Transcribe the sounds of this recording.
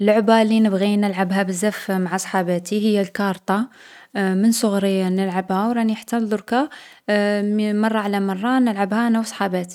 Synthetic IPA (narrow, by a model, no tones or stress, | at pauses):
lːʊʕbalinəbɣinəlʕabɦæbəzːæfmaʕasˤħɑbæt̪ihəjːælkɑɾˤt̪ˤɑ | mənsˤʊɣɾəjːanəlʕabhæwɾˤɑniħḁt̪ːænd̪ˤʊɾkɑ | mɑrˤːɑʕlæmɑrˤːɑnəlʕabhænæwsˤħɑbæt̪i̥